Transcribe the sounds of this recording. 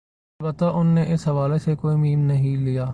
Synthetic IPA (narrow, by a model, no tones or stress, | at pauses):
ɐlbət̪ːaʔʊnːeʔɪsɦɐʋaːlesekoːimiːmnɐɦĩlijaː